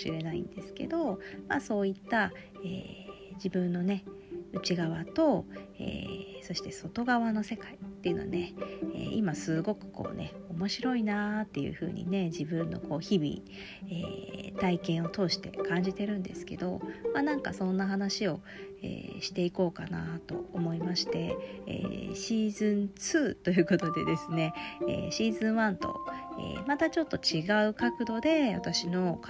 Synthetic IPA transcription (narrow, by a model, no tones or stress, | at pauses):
ɕiɾe̞naḭ̃nd̪e̞sɨ̥ke̞̰d̪o̞maso̞ːit̪ːa | ḛː | d͡ʑibɯ̟̃nːo̞ne̞ | ɯ̟t͡ɕiɡaβat̪o̞ḛːso̞ɕi̥t̪e̞so̞t̪o̞ɡaβano̞se̞kait̪ːeiɯ̟no̞a̰ne̞ḛːimasɨɡo̞kɯ̟̥ko̞̰ːne̞̰o̞mo̞ɕiɾo̞inat̪ːe̞jɯ̟̰ɸɯ̟ːɲ̟ḭne̞d͡ʑibɯ̟̃nːo̞̰ko̞ːçibʲḭ | ḛːt̪aikẽ̞ɰ̃o̞t̪o̞ːɕi̥t̪e̞̰kãɲ̟d͡ʑit̪e̞ɾɯ̟̃nd̪e̞sɨ̥ke̞d̪o̞manãŋka̰sõ̞nːaɦanaɕio̞ | ḛːɕi̥t̪e̞iko̞ːkana̰t̪o̞̰omo̞imaɕi̥t̪e̞ḛːɕiːzɨ̃nt͡sɨːt̪o̞jɯ̟ːko̞t̪o̞d̪e̞d̪e̞sɨne̞ḛːɕiːzɨ̃ɰ̃βãnt̪o̞̰ḛːmat̪at͡ɕo̞t̪ːo̞t͡ɕiɡaɯ̟kakɯ̟d̪o̞d̪e̞βa̰t̪aɕino̞